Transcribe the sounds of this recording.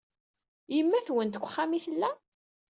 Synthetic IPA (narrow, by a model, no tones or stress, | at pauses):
jəmːæθwənt̪əkʷːχːamiθəlːæ